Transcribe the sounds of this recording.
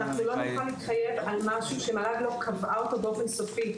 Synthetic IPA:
naχnulo̞nuχanliːtχaje̞valmaʃuʃemaladlo̞kʰavʔaot̪obeo̞fe̞nsofi

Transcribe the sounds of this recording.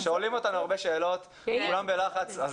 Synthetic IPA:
ʃeolimo̞t̪anuaʁbe̞ʃe̞ːlo̞t̪ | kulambe̞laχat͡saz

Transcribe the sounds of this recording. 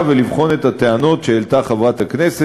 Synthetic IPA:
velivχo̞ne̞tateano̞tʃeːlt̪aχavathaknese

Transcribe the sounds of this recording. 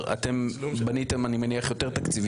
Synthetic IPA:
a̰t̪embanit̪emanimeniaχjo̞t̪e̞ʁt̪akt͡siv

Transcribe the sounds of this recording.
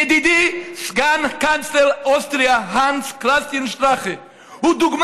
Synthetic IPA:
d̪id̪isɡankanslɛlˠastɾiaɦansklˠast̪iənʃtɾaχɪ | ʊd̪ʊɡm

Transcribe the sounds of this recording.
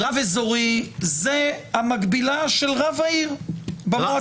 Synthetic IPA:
ʁavezoʁizehamaɡbilaʃe̞lʁavaiʁbamo

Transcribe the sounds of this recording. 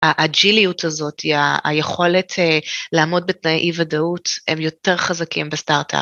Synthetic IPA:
aʔad͡ʒilijutʰazo̞tiaa̰jeχo̞letʰelaːmo̞d̚betnajʔivadautḛmjo̞te̞ʁχazakimbestaʁtʰa̰p

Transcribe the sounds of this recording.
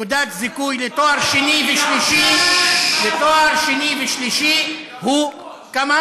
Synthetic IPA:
ud̪at̪zikujlet̪oaɾʃiniveʃliʃi | let̪oaɾʃeniveʃliʃi | hu | kama

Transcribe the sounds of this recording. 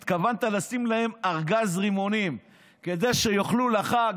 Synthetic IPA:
t̪kavant̪alasimlahe̞maʁɡazʁimo̞nim | ke̞d̪e̞jʃe̞joχlulaχa

